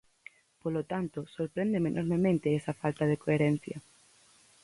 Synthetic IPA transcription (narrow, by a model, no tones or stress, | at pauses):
polot̪ant̪osoɾpɾend̪emenʔoɾmemẽnt̪eesɐfalt̪aðekoeɾen̟θjɐ